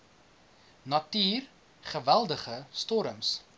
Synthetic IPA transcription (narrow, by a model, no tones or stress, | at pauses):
nɐtyːr | χəvælˠdəχəstɔɾəms